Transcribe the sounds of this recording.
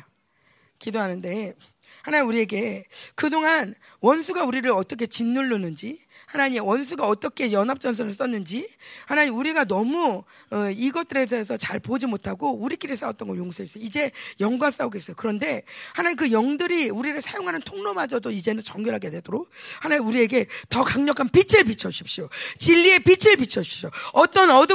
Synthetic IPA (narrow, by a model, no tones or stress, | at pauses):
kidoɦanɯnde̞ | hanauɾie̞ɡe̞kɯdoŋan | wʌnsʰuɡauɾiɾɯɭʌt͈ʌk̬ʰe̞t͡ɕinːuɭːunɯnd͡ʑihanaɲimwʌns̬ʰuɡaʌt͈ʌkʰe̞jʌnɦap̚t͡ɕ͈ʌns̬ʰʌnɯɭs͈ʌnːɯnd͡ʑihanaɲiuɾiɡanʌmuʌiɡʌt͈ɯɾe̞s̬ʰʌes̬ʰʌt͡ɕaɭpod͡ʑimotʰaɡouɾik͈iɾis͈awʌt͈ʌnɡʌnjoŋsʰoɦes͈ʌjoid͡ʑe̞jʌŋɡwas͈aoɡe̞s͈ʌjokɯɾʌnde̞hanaɲik̬ɯjʌŋdɯɾiuɾiɾɯɭsʰajoŋɦanɯntʰoŋnomad͡ʑʌdoid͡ʑe̞nɯnt͡ɕʌŋɡjʌɾɦaɡe̞dwedoɾok̚hanauɾie̞ɡe̞tʌkaŋɲʌkʰanpit͡ɕʰɯɭpit͡ɕʰʌɕʰi̥p̚ɕ͈ijot͡ɕiʎːie̞pit͡ɕʰeɭpit͡ɕʰʌɕʰi̥ɕ͈ʰoʌt͈ʌnʌdɯ